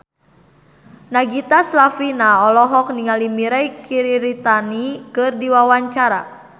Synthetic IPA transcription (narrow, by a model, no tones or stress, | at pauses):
naɡit̪aslafinaɔlɔɦɔk̚niŋalimiɾajkiɾiɾit̪anikɨrdiwawaɲt͡ʃaɾa̰